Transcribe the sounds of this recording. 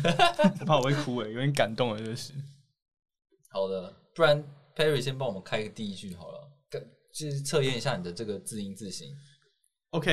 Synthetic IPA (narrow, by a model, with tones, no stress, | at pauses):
pʰa˥˩˨we˥ɪkʰu˧˥we˨˩ɪjo˧˦˥t̪ʰjɛ˧˦nka˨˩nt̪ʊ˥˨ŋə˨˩˥ʂɻ̩˥˦ | hɑ˨˩ʊd̪ə˦pu˥˩a˨˦npʰɛ˥˦ɹi˨˩ɕjɛ˥˦npɑ˥wɔ˨˩mə˦nkʰa˥ɪ˧ɡə˨˩t̪i˥˧i˦˥t͡ɕy˥˨˩xɑ˨˩ʊlə̰˩ka˧˩ | t͡ɕo˥˧ʂ̩˥˧t͡sʰɤ˥˧jɛ˥˨ni˨˩ɕja˥˩ni˨˩d̪ə˩ʈ͡ʂɤ˥˩ɡə˩t͡sɹ̩˥˧i˦˥nt͡sɹ̩˥˨ɕḭ˦˥ŋ | o˧ʊkʰe˥˩